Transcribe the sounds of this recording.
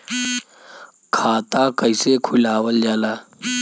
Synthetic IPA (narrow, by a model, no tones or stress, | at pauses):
kʰaːt̪akəisekʰʊlaːwəld͡ʒaːlaː